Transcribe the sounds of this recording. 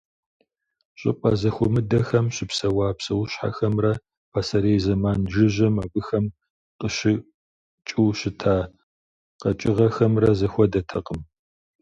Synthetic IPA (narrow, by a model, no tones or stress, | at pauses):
ɕʼɪ̰pʼɐzɐxʷʊmɨdɐxɐmɕɪpsɐwaːpsɐwʊɕħa̰xɐmrɐ | pʰasɐɾeːjzɐmaːnʒɪʑɐmaːbɨxɐm | qəɕɪ | t͡ʃʼɪwɕɪtʰaː | qɐt͡ʃʼɪʁɐxɐmrɐzɐxʷɔdɐtʰɐqʼəm